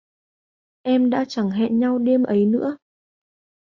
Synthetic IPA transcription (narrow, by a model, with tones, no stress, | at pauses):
ʔɛ˧mɗa̰ː˧˥t͡ɕa˧˩ŋɦɛ̰˧˨nɲa˧wɗe˧əmʔə˨˦jnɨ̰˧˥ə